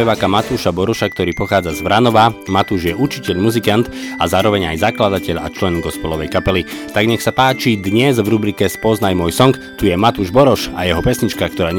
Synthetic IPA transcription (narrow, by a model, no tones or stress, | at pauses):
ɛʋaːkamat̪uːʃabɔɾɔʃak̚t̪ɔɾiːpɔxaːd͡zazvɾanɔʋamat̪uːʒjɛʔuɾt͡ʃicɛʎmuzikant̪azaːɾɔʋɛɲajzaklad̪acɛʎa̰t͡ʃlɛnɡɔspɛlɔʋɛjkapɛlit̪aɡɲɛxsapaːt͡ʃid̪ɲɛzvɾubɾikɛspɔznajmʊɔjsɔŋkt̪ujɛmat̪uːʒbɔɾɔʃajɛɦɔpɛsɲit͡ʃkakt̪ɔɾaːɲ